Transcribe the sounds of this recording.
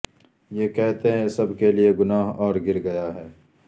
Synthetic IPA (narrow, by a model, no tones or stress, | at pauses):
jeːkɛɦt̪eɦɛ̃sɐbʱkelieɡʊnaːɦɔːɾɡɪɾɡɐjaɦɛː